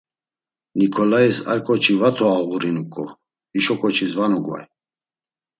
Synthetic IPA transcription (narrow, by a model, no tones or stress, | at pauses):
nikʰɔlaisa̰ɾkʼɔt͡ʃʰivat̪ʰɔaɣuɾinukʼɔ | iʃɔkʼɔt͡ʃʰizvanuɡva̰j